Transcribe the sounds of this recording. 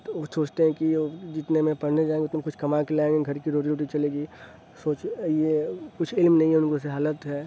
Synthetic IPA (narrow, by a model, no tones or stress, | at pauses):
osoːt͡ʃʰt̪eɦɛ̃kiod͡ʒɪt̪nemẽpɐɽ̤ned͡ʒaːẽŋɡeʊt̪nemekʊt͡ʃʰkɐmakelaːẽŋɡeɡʱɐɾkiɾoːʈ̬iɾoːʈ̬it͡ʃɐleːɡi | soːt͡ʃjekʊt͡ʃʰɪlmnɐɦĩɦɛʊnkos̬eɦaːlət̪ɦɛː